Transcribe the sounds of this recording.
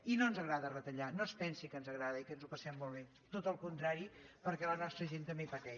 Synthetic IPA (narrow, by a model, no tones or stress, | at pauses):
inonzəɣɾaðərət̪əʎanospɛnsikənzəɣɾaðəikənzupəsɛmːolˠβe | t̪ot̪əlˠkunt̪ɾaɾipəɾkɛlənɔst̪ɾəʒent̪əmbepət̪ɛ